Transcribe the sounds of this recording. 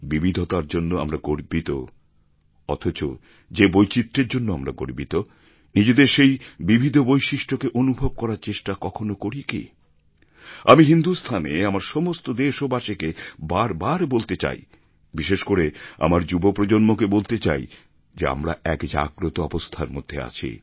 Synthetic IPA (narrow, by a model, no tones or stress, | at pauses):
bibʱid̪ʱot̪aɾd͡ʑonːoa̰mɾaɡoɾbit̪o̰ | ɔ̰t̪ʰot͡ɕo̰ | d͡ʑebojt͡ɕit̪ːɾeɾd͡ʑonːoamɾa̰ɡo̰ɾbit̪o | nid͡ʑed̪eɾʃejbibʱid̪ʱobojʃiʃʈokeʔonubʱob̚kɔɾaɾt͡ɕeʃʈakɔkʰonokoɾikḭ | amiɦind̪ust̪ʰanḛamaɾʃɔmost̪od̪eʃobaʃekebaɾbaɾbolt̪et͡ɕa̰j | biʃeʃkoɾea̰maɾd͡ʑubopɾod͡ʑonmokebolt̪et͡ɕa̰j | d͡ʑea̰mɾa̰ɛkd͡ʑa̰ɡɾot̪oɔbost̪ʰaɾmo̰d̪ʱːḛa̰t͡ɕʰḭ